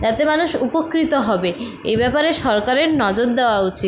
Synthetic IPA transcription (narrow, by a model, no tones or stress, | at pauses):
d͡ʑat̪emanuʃupokɾit̪oɦɔbe | ḛjbɛpaɾeʃɔɾkaɾeɾnɔd͡ʑoɾd̪eoaut͡ɕit̪